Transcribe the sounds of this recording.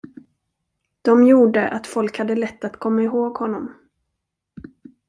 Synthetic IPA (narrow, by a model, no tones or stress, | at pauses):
d̪̥ɔmjuːɖəʔat̪fɔlkhad̪ːəlɛt̪ːat̪kʰɔmːaɪɦoːɡhɔnːɔm